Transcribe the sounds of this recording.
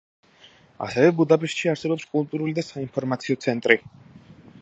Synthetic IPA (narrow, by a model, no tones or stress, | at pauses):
a̰sɛvɛbud̪apʼɛʃt̪ʃiaɾsɛbɔpskʼulˠt̪ʼuɾulid̪asainpʰɔɾmat̪sʰiɔt̪sʰɛnt̪ʼɾi